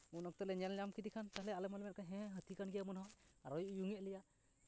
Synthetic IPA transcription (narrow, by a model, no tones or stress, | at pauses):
unɔk̚t̪ɔlɛɲɛlɲamkid̪ikʰant̪aɦɛlɛalɛmɔlmɛt̚kʰaɦɛ̃ɦət̪ikanɡijamɔnɦɔjaɾɔjujuŋɛʔlija